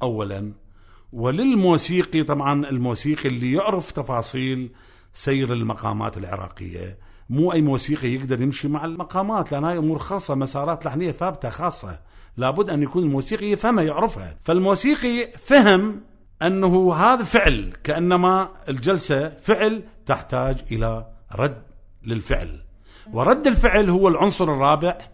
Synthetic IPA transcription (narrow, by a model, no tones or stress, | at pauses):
ʔawːala̰n | wɪlɪlmuːsiːqit̪ˤɑbʕɑnɪlmuːsiːqiʔlːijʊʕɾɪft̪ɑfɑːsˤiːl | sajːɾɪlmaqɑ̰ːma̰ːt̪ɪlʕɪ̰ɾɑ̰ːqɪ̰jːa̰ | muːʔajːmuːsiːqijɪɡd̪ɑɾˤjɪmʃimaʕɪlmaqɑːmaːt̪lɪʔanːhaːjʔʊmuːɾxɑːsˤːɑmasɑːɾˤɑːt̪laħnɪjːaθaːb̚t̪axɑːsˤːɑ̰ | laːbʊd̪ːʔanːjakuːnɪlmuːsiːqijːafhamhajʊʕɾɪfha̰falmuːsiːqifaɦɪm | ʔanːaɦuɦaːðafɪʕlkaʔanːamaɪld͡ʒalsafɪʕlt̪ɪħt̪aːd͡ʒʔɪlaɾˤɑd̪ | lɪlfɪ̰ʕl | wɾˤɑd̪ːɪlfɪʕlhʊwːalʕʊnsˤʊɾɨrˤːɑːbɪʕ